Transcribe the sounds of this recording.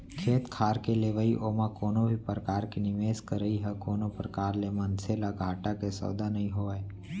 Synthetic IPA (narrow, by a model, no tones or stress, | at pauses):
kʰeːt̪kʰaːɾkeleːʋaiʔoːmakoːnobʱipɾəkaːɾkinɪʋeːskəɾəiɦɛkoːnopɾəkaːɾlemɐnselaɡʱaːʈakesɔ̰ːd̪anɐɦĩɦoːɛː